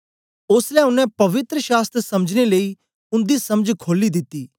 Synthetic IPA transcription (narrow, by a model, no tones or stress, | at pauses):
ʊslɛːʊnɛ̃pɐʋɪt̪ɾəʃaːst̪sɐməd͡ʒneləiː | ʊnd̪iːsɐməd͡ʒkʰoːlid̪ɪt̪ːiː